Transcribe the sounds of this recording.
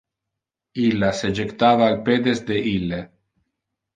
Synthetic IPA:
ilased͡ʒekt̪aβaːlped̪ezd̪eʔile

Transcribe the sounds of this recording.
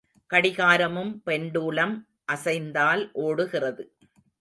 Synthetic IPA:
kɐɽɪɣaːɾɐmɯmpɛɳɖuːɭɐm | ʔɐsɐɪnd̪aːlʔoːɽɯɣɪrɐðɯ

